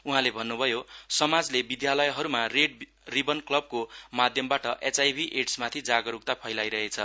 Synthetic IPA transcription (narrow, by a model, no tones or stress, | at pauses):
uɦãlebʱʌnːubʱʌjosʌmad͡zlebid̪jalʌjɦʌɾumareɖ | ribʌnklʌb̚komad̪ʱjʌmbaʈʌʔet͡sajbʱiʔeʈsmat̪ʰid͡zaɡʌɾuk̚t̪apʰʌjlajɾʌɦet͡sʰʌ